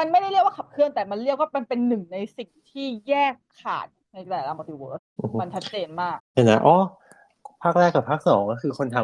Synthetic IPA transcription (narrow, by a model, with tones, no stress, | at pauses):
ma˧nma˥˩jɾa˥˩jləkwa˥˩kʰa˨˩p̚kʰɯ˥˩ənt̪ɛː˨˩ma˧nɾli˥˩ək̚waː˥˩pe˧npe˧nːɯ˨˩ŋna˧jsi˨˩ŋt̪ʰiː˥˩jɛː˥˩kʰːa̰ː˨˩t̪̚na˧jt̪ɛː˨˩˦laː˧pːt̪iː˧woː˧˩lʔɯ˨˩m˦ma˧nt͡ɕʰa˦˥t̪̚t͡ɕeː˧nmaː˥˩k̚pe˨˩nʔa̰˦˥ʔɔː˦˥ | pʰaː˥˩k̚ɾɛː˥˩kːa˨˩pʰaː˥˩k̚sɔː˩˦ŋkɔː˥˩kʰɯː˧kʰo˧nt̪ʰa˧